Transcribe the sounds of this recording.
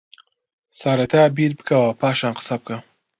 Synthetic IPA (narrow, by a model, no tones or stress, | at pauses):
saɾat̪ʰabiɾbəkawapaʃanqə̥sap̚ka